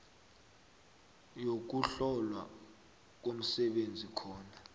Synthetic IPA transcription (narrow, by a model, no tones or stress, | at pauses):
jok̬uɬɔlwa̰ | k̬om̩sɛɓend͡zʱikʰɔːna